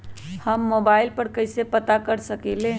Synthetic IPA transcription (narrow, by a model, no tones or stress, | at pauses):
həmːobaɪlpəɽkəɪsepət̪akəɾsəkelẽ